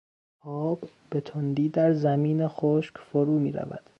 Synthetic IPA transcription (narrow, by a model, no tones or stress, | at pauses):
ʔɒːb | be̞t̪ʰond̪iːd̪æɾzæmiːnexoːʃkfoɾuːmiːɾæ̰væ̰d̪̥